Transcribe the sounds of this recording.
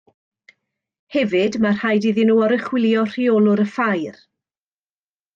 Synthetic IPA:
hɛvɨdmar̥hajdiðɪnuːɔɾəχwɪlˠjɔr̥ioːlˠʊɾəfajr

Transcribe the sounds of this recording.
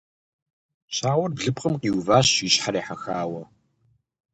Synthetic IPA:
ɕaːwɐrbɮɨpqəmqiːwvaːɕiːɕħaɾiːħaxaːwɐ

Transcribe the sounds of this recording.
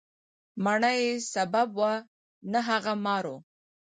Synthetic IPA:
maɳajesababwa | naɦaɣamɑɾo

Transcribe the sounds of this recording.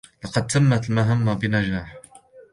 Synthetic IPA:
lɑqɑd̪̚t̪amːat̪lmaɦamːabɪnad͡ʒaːħ

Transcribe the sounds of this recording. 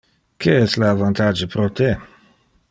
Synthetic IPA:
kʰeɛstlaavant̪ad͡ʒepɾot̪e

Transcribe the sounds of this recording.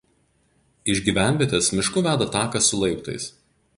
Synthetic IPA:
ɪʒʲɡʲiːʋʲæˑnʲʋʲeːt̪ʲɛsmʲɪʃkʊʋʲæːd̪ɐt̪ɑːkɐsʊlˠɐɪpt̪ɐ̰ɪs

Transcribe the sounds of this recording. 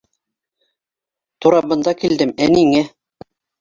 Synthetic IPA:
t̪uɾɑbɤ̆nd̪ɑkild̪ɘmæniŋæ

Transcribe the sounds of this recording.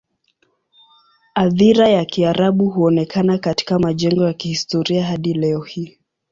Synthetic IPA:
aðiɾajakiaɾʔaɓuɦuɔnɛkʰanakati̥kamaʄɛŋɡɔjakihistɔɾiaɦaɗilɛɔhiː

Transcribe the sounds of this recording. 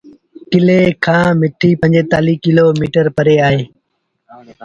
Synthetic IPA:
kɪleːkʰãːmɪʈʰiːpə̃ɲd͡ʒeːt̪aːliːkɪloːmiːʈəɾpəɾeːaːɦeː

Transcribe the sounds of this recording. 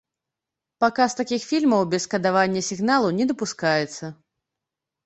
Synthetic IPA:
pakast̪akʲixfʲilʲmɐwbʲɛskɐd̪avanʲːɐsʲiɣnalˠunʲɛd̪ɐpuskajɛt̪sːɐ

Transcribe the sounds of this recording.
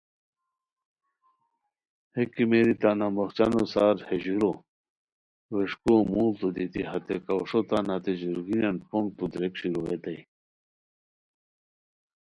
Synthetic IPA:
hekimeɾit̪anamoxt͡ɕanosaːɾheʑuɾo | ʋeʂkumuːlt̪ud̪it̪iɦɐt̪ekɐʂot̪anat̪eʑuɾɡinanpoŋt̪ud̪ɾekɕiɾoet̪ɐj

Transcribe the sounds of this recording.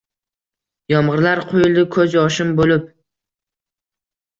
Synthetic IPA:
jɒmʁɨɾlaɾqʰojɪlˠd̪ɪkʰɵzjɒʃɪmbolɪp̚

